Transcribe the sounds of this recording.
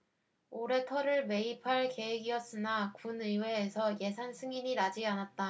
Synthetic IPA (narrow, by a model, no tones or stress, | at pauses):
oɾe̞tʰʌɾɯɭme̞ipʰaɭke̞weɡiʌs͈ɯnakunɯwe̞ːsʰʌje̞sʰansʰɯŋiɲinad͡ʑianat̚t͈a